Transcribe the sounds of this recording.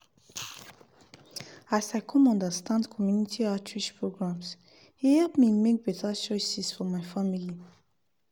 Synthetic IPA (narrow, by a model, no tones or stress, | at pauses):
asaɪkʰɔ̃nɔ̃ndəstʰãndkʰɔmjunitʰiatʰɹiʃpɹoɡɹãms | hihɛlpmimek̚b̥ɛtʰət͡ʃɔɪsisfɔmaɪfamili